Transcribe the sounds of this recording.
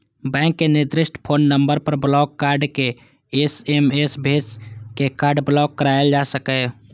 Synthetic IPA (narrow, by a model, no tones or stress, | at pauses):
bɛ̃ːŋkːenɪd̪ɾɪʃʈʰpʰoːnːəmbəɾpəɾblɔːɡkaɾɖke | esemesbʱeskekaːɾɖblɔɡːəɾaeld͡ʒasəkɛ